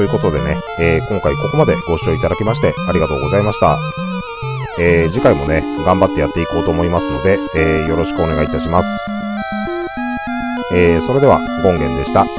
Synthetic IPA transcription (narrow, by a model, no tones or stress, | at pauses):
ojɯ̟ko̞t̪o̞d̪e̞ne̞eːkõ̞ŋkaiko̞ko̞mad̪e̞ɡ̥o̞ɕi̥o̞ːit̪ad̪akʲmaɕi̥t̪e̞aɾʲiɡat̪o̞ːɡo̞zaimaɕi̥t̪a | eːd͡ʑikaimo̞ne̞ɡãmbat̪ːe̞jat̪ːe̞iko̞ːt̪o̞ːmo̞imasɨno̞d̪e̞eːjo̞ɾo̞ɕi̥kɯ̟o̞ne̞ɡait̪aɕimasɨ̥ | eːso̞ɾe̞d̪e̞a | ɡõ̞ŋɡẽ̞nd̪e̞ɕi̥t̪a